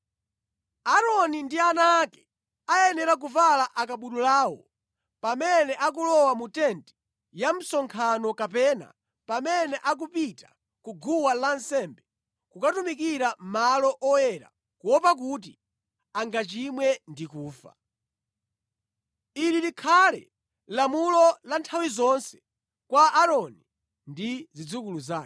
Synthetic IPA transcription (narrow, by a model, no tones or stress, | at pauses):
aɾɔnindianaːkɛ̥ | ajɛnɛɾak̬uvalaʔakaɓuɗulaːwɔ | pamɛnɛʔak̬ulɔwamutɛnti̥ | jam̩sɔŋkʰanɔkapɛna̰ | pamɛnɛʔak̬upitḁ | kuɡuwalansɛmbɛ | kukatumikiɾamalɔʔɔjɛɾa̰ | kuwɔpak̬ut̬i | aŋɡat͡ʃimwɛndikuːfa̰ | ililikʰalɛ̰ | lamulɔlantʰawizɔnsɛ̥ | kwaːɾɔni | ndizid͡zukuluzaː